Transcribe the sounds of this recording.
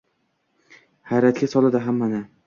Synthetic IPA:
hajɾat̪ɡʲasɒlˠad̪ɪɦamːanɪ

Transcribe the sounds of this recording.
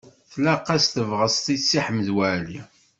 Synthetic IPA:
θlæqːæsθəvʁəsˤt̪isːiħməðwæli

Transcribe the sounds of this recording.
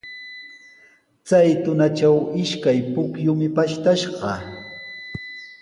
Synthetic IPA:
t͡sajt̪ʊnat͡ʃawɪʃkajpʊkjʊmɪpaʃt̪aʃɢɑ

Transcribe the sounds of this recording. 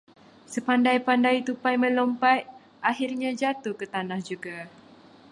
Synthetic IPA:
səpandajpandajt̪upajmə̃lɔmpat | ʔaɦirɲãd͡ʒat̪ukət̪anahd͡ʒuɡa

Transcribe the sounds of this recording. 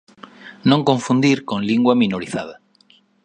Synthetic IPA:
nõŋkõɱfũnd̪iɾkõnliŋɡwamĩnoɾiθa̰ð̞a

